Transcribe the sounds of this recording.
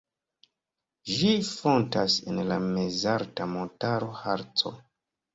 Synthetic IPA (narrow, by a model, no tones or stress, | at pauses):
ʒifo̞ntasenlamezaɾtamo̞ntaɾo̞haɾt͡so̞̰